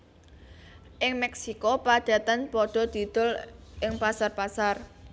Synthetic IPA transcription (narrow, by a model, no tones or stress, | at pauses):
ʔɪŋmɛksikɔpḁd̪̥a̤t̪ənpɔɖ̥ɔ̤d̪̥i̤d̪̥ʊ̤lʔɪŋpasarpasar